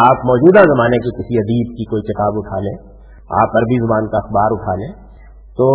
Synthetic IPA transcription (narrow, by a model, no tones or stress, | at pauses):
aːpmɔːd͡ʒuːd̪azɐmaːnekekɪsiɐd̪iːbkikoːikɪt̪aːbʊʈʰaːlḛ̃ː | a̰ːpɐɾbʱizɐbaːnkaɐxbaːɾʊʈʰaːlẽː | t̪oː